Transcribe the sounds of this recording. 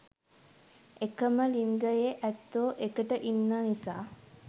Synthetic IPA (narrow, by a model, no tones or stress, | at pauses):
ekəməliŋɡəjeʔæt̪ːoːʔekəʈəʔinːaːnisaː